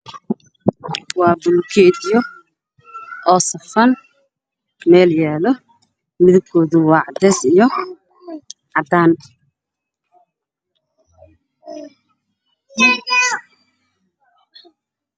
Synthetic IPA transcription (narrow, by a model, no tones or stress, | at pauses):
wɑːbʊlkʰɛdjɔ | ʔɔːsɐfɐn | mɛːljɛːlɔ | mɪðʊb̚kʰɔːðʊwɑːʕɑd̪ɛːsijɔ | ʕɑd̪aːn